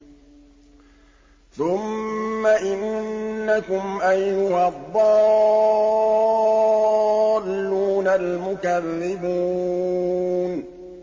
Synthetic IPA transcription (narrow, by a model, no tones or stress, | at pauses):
θʊmːaʔɪnːakʊmʔajnʊhɑðˤːɑː | lːuːnalmʊkarːɪbuː | n